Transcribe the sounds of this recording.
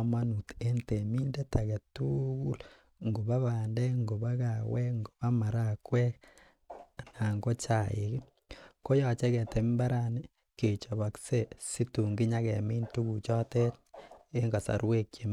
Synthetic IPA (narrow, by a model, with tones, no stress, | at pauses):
ma˦nu˨te˦nte˨mi˦nde˦ta˨ɡe˨tu˦ɡu˦l | ŋɡo˨ba˦βa˨ndɛ˦ŋɡo˨ba˦ka˨wɛ˦ŋɡo˨ba˦ma˨ɾa˦˨kwɛ˦k | na˨ŋɡo˦t͡ʃa˨jɪ˨ki˦ | ko˦jɔ˨t͡ʃe˦kɛ˨te˨mba˦ɾa˨ni˦ | ke˨t͡ʃo˨βa˨kse˦˨si˦tu˨ŋɡi˦ɲa˦kɛ˨mi˦ntu˦ku˨t͡ʃɔ˦te˦te˦ŋɡa˨sa̰˨ɾwe˦kje˨m